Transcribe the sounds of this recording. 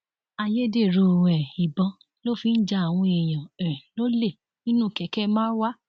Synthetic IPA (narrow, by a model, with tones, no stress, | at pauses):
a˧je˦de˦˨ɾo˧˨ɛ˨i˨bɔ̃˨˧ | lo˦˨fi˧˦n̩˦d͡ʒa˧˦a˨w̃ɔ̃˧e˨j̃ɔ̃˨ɛ̃˨lo˦le˦˨ | nĩ˦nũ˦˨kɛ˨˦kɛ˦mãː˦wa˦